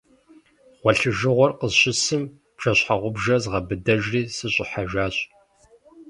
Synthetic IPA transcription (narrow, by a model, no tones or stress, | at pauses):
ʁ̥ʷɔɬɨʒɨʁʷɔrqəzɕɪsɨm | pʂʰɐɕħaʁʷʊbʒɐzʁɐbɨdɐʒriːsɨɕʼɪħaʒaːɕʼ